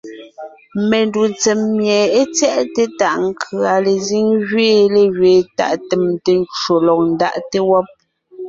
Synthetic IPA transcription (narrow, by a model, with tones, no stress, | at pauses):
me˨ndu˨nt͡se˨mːjɛ˨e˦t͡sjɛ˦ʔte˦ta˦˨ʔŋ̩˦kʰɰa˨le˨zi˦ŋɣɥeː˦le˨ɣɥeː˨ta̰˨ʔte˨mte˨n˦t͡ʃo˨lɔ˨k̚n̩˦da̰˦ʔte˦wɔ˦p̚